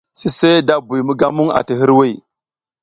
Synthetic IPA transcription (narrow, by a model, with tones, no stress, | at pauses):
si˦se˦da˦bu˨jmu˦ɡa˦mu˦ŋa̰˨ti˨ɦi˦ɾwe˦˨